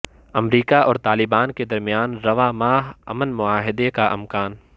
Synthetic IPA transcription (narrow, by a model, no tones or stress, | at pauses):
ɐmɾiːkaʔɔːɾt̪aːlɪbaːnked̪ɐɾmijaːnɾɐʋaːmaːɦɐ̰mənmʊaːɦɪd̪ekaʔɪ̰mkaːn